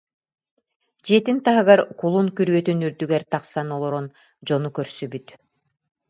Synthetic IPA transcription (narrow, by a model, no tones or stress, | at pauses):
d͡ʒet̪int̪ɑɦɯɣɑɾkulˠuŋkyɾβøt̪ynyɾd̪yɡæɾt̪ɑqsɑnolˠoɾon | d͡ʒonukøɾsybyt̪